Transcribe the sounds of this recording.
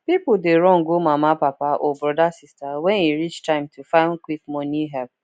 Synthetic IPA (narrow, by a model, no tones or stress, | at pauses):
pipʊdeɾɔ̃ŋ̩ɡomamapapaʔobɾɔdasistawɛniɾit͡ʃtãɪ̃mtʰufãɪ̃nkʷikmɔniɦɛp